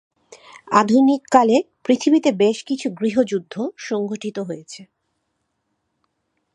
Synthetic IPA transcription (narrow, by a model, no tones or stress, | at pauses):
ad̪ʱunikːalepɾit̪ʰibit̪ebeʃkit͡ɕʰuɡɾiɦod͡ʑud̪ʱːoʃɔŋɡʱoʈʰit̪oɦojet͡ɕʰe